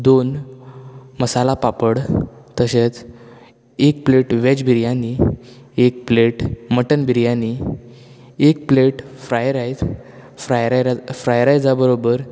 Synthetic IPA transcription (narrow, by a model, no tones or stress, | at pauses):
d̪on | məsalapapəɽt̪əset͡s | ek̚pleʈʋed͡ʑbʱiɾjani | ek̚pleʈməʈənbʱiɾjani | ekpleʈfɾajɾaj | fɾajɾaɾfɾajɾajd͡zabəɾobəɾ